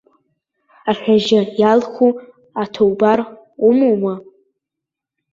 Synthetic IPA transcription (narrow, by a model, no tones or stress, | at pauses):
aχʲᶣaʒɪjalχu | atʰowbar | umoma